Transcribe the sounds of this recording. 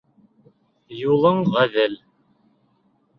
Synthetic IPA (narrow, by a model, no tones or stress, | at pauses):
julˠɤɴʁæðɘl